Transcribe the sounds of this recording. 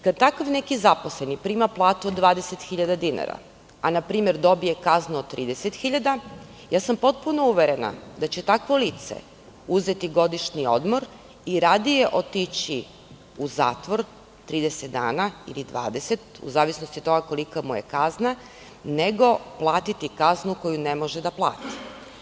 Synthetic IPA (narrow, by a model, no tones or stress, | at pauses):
kad̪̚t̪akaʋne̞kizaposle̞nipɾiːmaplˠaːt̪ud̪ʋaːd̪eset̪xiʎad̪ad̪ina̰ɾa̰ | anapɾiːme̞ɾd̪o̞bije̞kaznuod̪t̪ːɾiːd̪eset̪xiʎad̪a | jaːsampo̞t̪̚puno̞uʋeɾena̰d̪at͡ɕet̪akʋo̞lit̪sḛ | uzet̪iɡo̞d̪iʃnio̞̰d̪mo̞ɾ | iɾad̪ijeʔo̞t̪it͡ɕi | uza̰ːt̪ʋo̞ɾ | t̪ɾiːd̪eset̪̚d̪a̰ːnaḭlid̪ʋa̰ːd̪e̞se̞t̪ṵzaːʋisnost̪it̪o̞ɡako̞likamuje̞̰kazna | neɡo̞plˠaːt̪it̪ikaznuko̞june̞mo̞ʒed̪aplˠa̰ːt̪i̥